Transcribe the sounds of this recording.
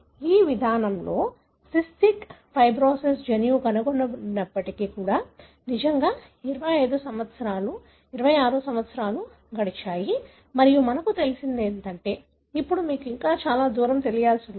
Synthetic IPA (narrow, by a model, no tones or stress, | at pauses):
iːʋid̪ʱaːnɐmlo̞ː | sisʈikpʰɐjbɾoːses̬d͡ʒɐnjuɡɐnuɡonːɐɐnːɐpːɐʈikikuːɽaː | nid͡ʒɐŋɡaː | iɾɐʋɐjɐjd̪usɐmʋɐt̪sɐɾaːlu | iɾɐʋɐjaːɾusɐmʋɐt̪sɐɾaːlu | ɡɐɽit͡ʃaːji | mɐɾijumɐnɐkut̪e̞lisind̪eːnt̪ɐɳʈe̞ː | ipːuɽumiːkiŋkaːt͡ʃaːlaːd̪uːɾɐmt̪e̞lijaːlsun